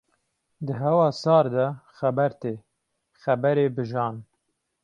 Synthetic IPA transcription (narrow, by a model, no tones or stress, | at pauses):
d̪əɦɛwɑːsɑːɾd̪ɛxæbɛɾt̪eː | xæbɛɾeːbɨʒɑːn